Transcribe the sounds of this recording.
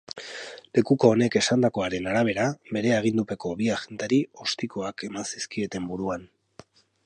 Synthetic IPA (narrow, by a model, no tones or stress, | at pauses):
le̞kuko̞ːne̞ke̞sand̪ako̞aɾe̞naɾaβ̞e̞ɾaβe̞ɾe̞aɣ̞ind̪upe̞ko̞βiaxe̞nt̪aɾio̞st̪ikoake̞mansiskie̞t̪e̞mbuɾuan